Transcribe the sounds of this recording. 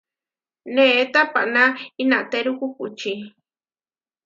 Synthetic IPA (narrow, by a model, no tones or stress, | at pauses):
net̪apaʔnainaʔt̪eɾukukut͡ʃi